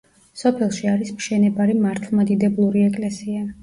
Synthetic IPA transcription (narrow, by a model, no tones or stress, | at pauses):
sɔpʰɛlˠʃiaɾismʃɛnɛbaɾimaɾt̪ʰlˠmad̪id̪ɛblˠuɾiɛkʼlɛsia